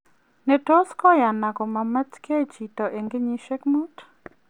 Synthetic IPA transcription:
nɛ˨to˦skɔ˦ja˨na˨kɔ˨ma˨mɛ˦tke˦t͡ʃi˨tɔ˨ʔe˨ŋɡe˦ɲi˦ʃe˦kmu˦t

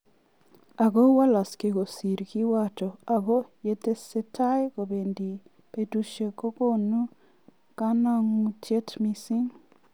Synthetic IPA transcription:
a˨ɡo˦wa˦la˨ske˨ko˨si˨ɾki˦wa˦tɔ˨a˨ɡo˦je˦te˦se˦tʰa˦jko˨be˨ndi˨ | pe˨du˦ʃe˨ko˦ko˦nu˦ | ka˦na˦ŋu˦tje˦tmi˦si˦ŋ

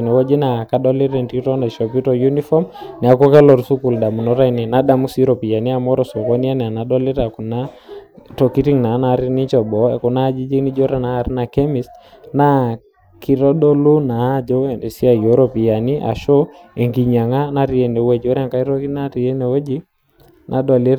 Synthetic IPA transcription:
nɛ˨wɔ˦d͡ʒi˦na˨ka˦ɗɔ˦li˦ɾɛ˨nti˦tɔ˦na˨ʃɔ˨p̬i˦tɔju˦ni˦fɔ˦mnɛ˨a˨kɔ˦kɛ˦lɔ˨ɾsu˦ku˨lda˨mu˨nɔ˦ɾa˦i˨nɛ˨na˦da˨mu˦si˦ɾɔ˨pi˨ja˨ni˦a˨mɔ˦ɾɔ˨so˨kɔ˦ni˦a˦nɛ˨a˨na˨ɗɔ˦li˦ɾa˨ku˨na˦tɔ˨ki˦ti˦ŋna˨˦na˦ɾi˦ni˦t͡ʃɔ˨bɔ˨ɛ˨ku˨na˦d͡ʒi˦d͡ʒi˦kni˦d͡ʒɔ˦ɾa˦naː˦˨ɾi˦na˨kɛ˦mi˨s | na˦ | kʰi˨ɾɔ˦ɗo˦lu˦na˨˦d͡ʒo˦˨e˨si˦a˨jo˨˦ɾɔ˨pi˨ja˨ni˦ʔa̰˨ʃo˦ | e˨ŋɡi˨ɲa˨ŋa˦na˦ɾi˨ɛ˨ne˨uwɛ˦˨d͡ʒo˦ɾa˦˨ŋka˦i˦ɾɔ˦ki˦na˦ɾi˨ɛ˦nɛ˨o˦d͡ʒi˦ | nʔa̰˨ɗɔ˨le˦

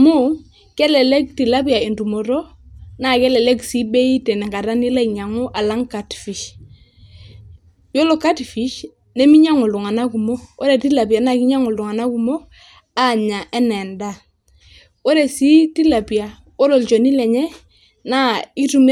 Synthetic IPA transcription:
mʊ˦ | kɛ˦lɛ˨lɛ˦k̚ti˨la˦pi˦a˨e˨ntu˨mo˨ɾɔ˦ | na˦˨kɛ˦lɛ˨lɛ˦ksi˦bɛ˦i˦tɛ˨nɛ˨ŋɡa˨ɾa˦ni˦la˦i˨ɲa˨ŋu˦ʔa˨la˦ŋka˨tfi˨ʃ | jo˦lɔ˨ka˦tfi˨˦ʃ | nɛ˦mi˦ɲa˦ŋo˨ldu˨ŋa˨na˦ku˨mo˦ɔ˦ɾɛ˨ti˦la˨pja˨na˦˨ki˦ɲa˦ŋo˨ldu˨ŋa˨na˦ku˨mo˦ | a˦˨ɲa˨ʔɛ˦nɛ˨nda˦˨ | o˦ɾɛ˨si˦ti˦la˨pi˨a˨ | ɔ˦ɾɔ˨lt͡ʃɔ˨ni˦lɛ˨ɲɛ˦ | na˦i˦tu˨m

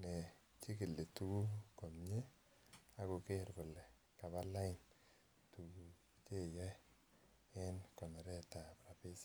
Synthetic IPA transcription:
nɛ˨ | t͡ʃi˦ki˨lːe˨tu˦ɡu˦ko˨mɲe˦ | a˦ko˨ke˦˨ɾkʊ˨lːɛ˨ | ka˨ba˦la˦ɪ˨n | tu˨ɡu˨ | t͡ʃe˦˨jɛ˦ | ɪ˦nkɔ˨nɛ˨ɾɛ˦ta˨pɾa˨pɪ˦s

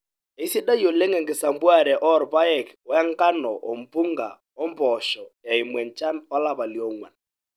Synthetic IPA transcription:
e˨i˦si˦ɗa˦jo˨le˦ŋɛ˨ŋɡɪ˨sa˨mbwa˦˨ɾɛ˨ʔɔ˦˨ɾpa˦ɛ˨kɔ˨˦ɛ˦ŋka˦nɔ̰˨ʔɔ˨m˨pu˦ŋɡa̰˨ | ɔ˦mpɔ˨ʃɔ˨ja˨ɪ˨mwɛ˨nt͡ʃa˦npa˦la˦pa˨ljɔ˦˨ŋwa̰˨n

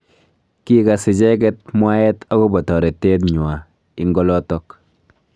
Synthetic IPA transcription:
ki˦ka˨sɪ˨d͡ʒɛ˦k̬ɛ˦t̚mwa˦ɛ˦ta˦ɡo˦bɔ˨tɔ˨ɾe˨tːe˦tɲwa˨ | i˦ŋɡɔ˦lɔ˦tɔ˦k

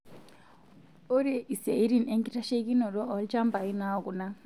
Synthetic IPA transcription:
o˦ɾɛ˨ʔi˨sa˨i˦ɾi˦˨ne˦ŋki˦ta˦ʃe˦ki˦nɔ˨ɾɔ˦ɔ˨˦lt͡ʃa˦mba˨i˦na˦ɔ˨ku˨na˦

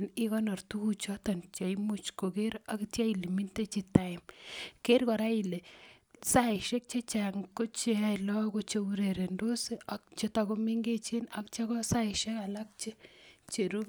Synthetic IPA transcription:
ni˦kɔ˦nɔ˨ɾtu˦ku˦t͡ʃɔ˦ta˨nt͡ʃa˨imu˦t͡ʃko˨ke˦ɾa˨ktja˦i˨le˨mi˦nte˦t͡ʃi˨ta˨ɪ˨mke˦ɾkɔ˨ɾa˦i˨le˨ | sa˦˨ʃe˦k̚t͡ʃe˦t͡ʃa˨ŋko˦t͡ʃe˧a˨lɔ˦ko˦t͡ʃe˦u˦ɾe˨ɾe˨ndo˦se˦a˦kt͡ʃe˦ta˧ko˦mi˦ŋɡe˦t͡ʃe˦na˨kt͡ʃa˦kɔ˦sa˦ɪ˨ʃɛ˦ka˨la˦k̚t͡ʃe˦t͡ʃe˨ɾu˦

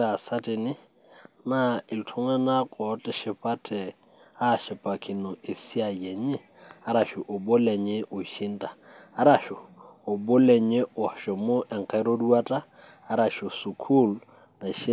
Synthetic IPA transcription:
a˨sa˦tɪ˨nɪ˦ | na˦ɪ˨ltʰʊ˦ŋa˦na˦kʼɔ˨˦tʼɪ˦ʃɪ˨pa˦tʰɛ˨ | a˦˨ʃɪ˨pʼa˨kʰi˨no˨e˨si˦a˨jɛ˨ɲɪ˦ | a˦ɾa˨ʃʊ˨ʔo˨bo˦lɛ˨ɲe˦ʔo˨ʃi˦ntʼaː˨˦ɾa˨ʃʊː˨bo˦lɛ˨ɲe˦o˨ʃɔ˨mo˦ʔɛ˨ŋ˨ka˨˦ɾo˦du˦a˦tʼaː˦˨ | ɾa˨ʃo˨su˨kʰu˦˨l | na˨ʃi˦

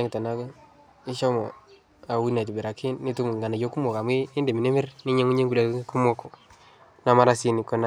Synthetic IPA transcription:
e˦ŋ˨tɔ˨na˦kɛ˦ | ɪ˦ʃɔ˦mɔ˨ | a˨wi˦na˨t͡ʃu˨be˨ɾa˨kʰi˦nːi˦tu˦mu˨ŋɡa˨na˨jo˦ku˦mɔ˨ka˨mweː˦nde˨mi˨ne˦mɪ˦ɾni˦ɲe˦ŋu˦ɲe˦ŋɡule˨˦ku˦mɔ˦kɔ˨ | na˦ma˦ɾa˦si˦ni˨kɔ˦na˦

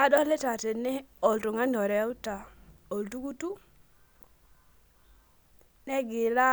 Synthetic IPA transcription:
a˦dɔ˦le˦ta˨te˨nɛ˦ɔ˨ltu˨ŋa˦n˨ɔ˨ɾɛ˨˦u˦ta˨ | o˨ltu˦ku˦tu˦ | nɛ˦ɡɪ˨ɾa˦

